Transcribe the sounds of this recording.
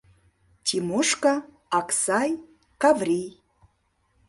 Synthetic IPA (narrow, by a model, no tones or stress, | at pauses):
tʰimoʂka | aksaj | kavrʲij